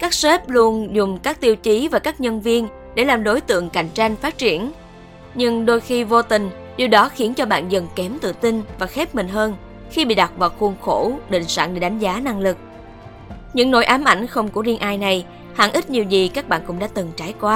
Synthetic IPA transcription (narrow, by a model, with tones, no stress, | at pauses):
kaː˦˥k̚se˦˥p̚lu˧ənzʊ˨˩ŋ͡mkaː˦˥k̚t̪i˧əwt͡ɕi˨˦vaː˨˩kaː˦˥k̚ɲə˧nvi˧ən | ɗe˧˩laː˨˩mɗo˨˦jt̪ɨ̰˧˨əŋka˨˩jŋ̟t͡ɕa˧jŋ̟faː˦˥t̚t͡ɕi˧˩ən | ɲɨ˧ŋɗo˧jxi˧vo˧t̪ï˨˩ŋ̟ | ɗi˨˩wɗɔ˨˦xi˨˦ənt͡ɕɔ˧ɓa̰ː˧˨nzə˨˩ŋkɛ˨˦mt̪ɨ̰˧˨t̪ï˧nvaː˨˩xɛ˦˥p̚mï˨˩ŋ̟ɦəː˧n | xi˧ɓḭ˧˨ɗa˨˩k͡p̚vaː˨˩wxu˧˩ənxo̰˧˩ɗḭ˧˨ŋ̟sa̰ː˧˨nɗḛ˧˩ɗa˨˦jŋ̟zaː˨˦na˧ŋlɨ˨˩k̚ | ɲɨ̰˧˥ŋno̰˧˥jʔaː˨˦mʔa˧˩jŋ̟xə˧wŋ͡mku˧˩əzi˧ənʔaː˧jna˨˩j | ha̰ː˧˨nʔi˦˥t̚ɲi˨˩əwzi˨˩kaː˦˥k̚ɓa̰ː˧˨nkʊ̰˧˥ŋ͡mɗa̰ː˧˥t̪ɨ˨˩ŋt͡ɕaː˨˦jkwaː˨˦